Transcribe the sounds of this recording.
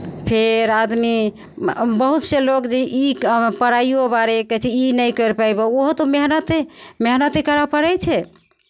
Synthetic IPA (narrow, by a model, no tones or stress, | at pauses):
pʰeɾad̪mi | bəɦut̪selokd͡ʒeʔipəɾaiobaɾeket͡ʃʰɛinəjkəɾpajbooɦt̪omeɦnət̪emeɦnət̪ekəɾəpəɾɛjt͡ʃʰɛ